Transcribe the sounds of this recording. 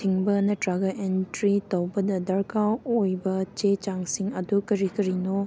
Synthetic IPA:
tʰiŋbɐnɐdɾaɡɐʔentɾitɐwbɐdɐdɐɾkawojbɐt͡ʃet͡ʃaŋsiŋɐdukɐɾikɐɾino

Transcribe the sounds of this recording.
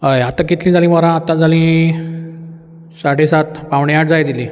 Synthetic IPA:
ɦajat̪ãkit̪lĩd͡zalĩːʋəɾãat̪ãd͡zalĩ | saɽesat̪paʋɳejaʈ̚d͡zajd̪ilĩː

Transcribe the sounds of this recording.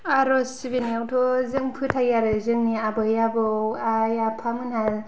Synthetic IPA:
aɾɔsibiniawtʰozɯŋpʰɯtʰajaɾɯzɯŋniabɯjabɯwajapʰamɯnhal

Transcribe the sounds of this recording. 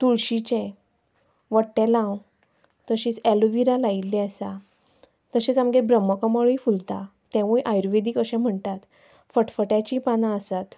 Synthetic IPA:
t̪uɭɕit͡ɕɛ̃ | ʋəʈɛlãw | t̪əɕĩt͡sɛluʋiɾalailːɛ̃əsa | t̪əɕẽt͡samɡebɾəmːəkəmaɭifult̪a | t̪ɛ̃ʋuɭeʔajɾʋed̪ikəɕɛ̃m̤əɳt̪at̪ | fəʈfəʈat͡ɕipanãəsat̪

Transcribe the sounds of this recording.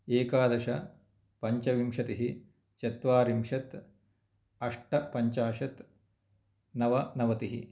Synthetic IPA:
eːkaːd̪ɐʃɐ | pɐɲt͡ʃɐʋimʃɐt̪iɦi | t͡ʃɐt̪ʋaːɾimʂɐt̪ | ɐʂʈɐpɐɲt͡ʃaːʃɐt̪ | nɐʋɐnɐʋɐt̪iɦi

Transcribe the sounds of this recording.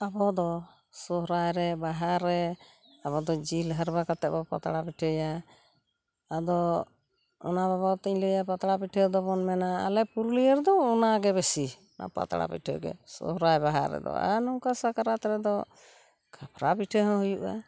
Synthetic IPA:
abɔd̪ɔ | sɔɦɾajɾɛbaɦaɾːɛ | abɔd̪ɔd͡ʒilɦəɾbakat̪ɛʔbɔpa̰t̪ɽapiʈʰəja | ad̪ɔ | ɔ̰nababat̪iɲləjapat̪ɽapiʈʰɛd̪ɔbɔnmɛna̰ːlɛpuɾulijəɾd̪ɔunaɡɛβesi | na̰pa̰t̪aɽa̰pḭʈʰɔɡɛ̰sɔ̰ɦɾajbaɦa̰ɾːɛ̰d̪ɔ̰a̰nɔkasakaɾat̪ɾɛd̪ɔ | kʰapʰɾapiʈʰəɦɔ̃ɦujuʔa̰

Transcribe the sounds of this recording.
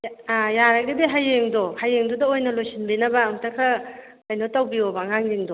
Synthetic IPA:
jaɾɐɡɐdiɦajːeŋdɔhajeŋdudɐojnɐlojsinbinɐbɐːmtɐkʰɐ | kɐjnotɐwbiobɐŋaŋdiŋdɔ

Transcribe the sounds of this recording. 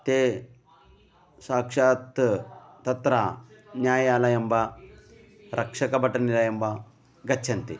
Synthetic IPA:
t̪e | saːkʂaːt̪t̪ɐt̪ɾanjaːjaːlɐjɐmba | ɾʔɐkʂɐkɐbɐʈɐnilɐjɐmba | ɡɐtːʰɐnt̪ḛ

